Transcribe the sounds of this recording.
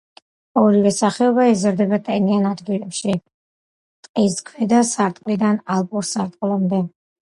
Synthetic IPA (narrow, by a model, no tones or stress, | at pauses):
ɔɾivɛsaχɛɔbaɛzɾd̪ɛbat̪ʼɛnianad̪ɡilɛpʃi | t̪ʼqʼiskʰwɛd̪asaɾt̪ʼqʼlid̪analˠpʼuɾsaɾt̪ʼqʼlˠamd̪ɛ